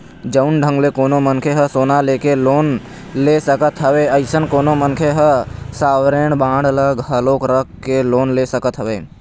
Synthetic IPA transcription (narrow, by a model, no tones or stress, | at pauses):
d͡ʒəʊnɖʱə̃ŋɡlekoːnomənkʰeɦəsoːnaleːkeloːn | lesəkət̪ɦəweːəɪsənkoːnomənkʰeɦəsaːwɾeːɽbãːɽələɡɦəloːkɾəkkːeloːnlesəkət̪ɦəʋeː